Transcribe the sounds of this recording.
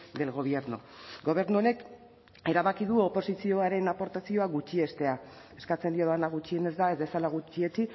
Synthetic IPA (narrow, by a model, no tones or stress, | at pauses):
d̪e̞lɣo̞β̞je̞ɾno̰ɡo̞β̞e̞ɾnuo̞ne̞k | e̞ɾaβakiðuopo̞sisio̞aɾe̞napo̞ɾt̪asio̞aɣut͡ʃie̞st̪e̞a | e̞skat͡se̞nd̪ioðanaɣ̞ut͡ʃie̞ne̞zd̪ae̞zβe̞salaɣ̞ut͡ʃie̞t͡ʃi